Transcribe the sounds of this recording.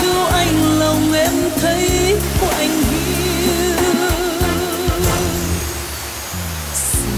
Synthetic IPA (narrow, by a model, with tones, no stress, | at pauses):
ɨ˧ʔa˧˩jŋ̟lə˨˩wɛ˧˥mt̪ʰə˨˦jku˧˩əʔa˧˩jŋ̟hi˧˥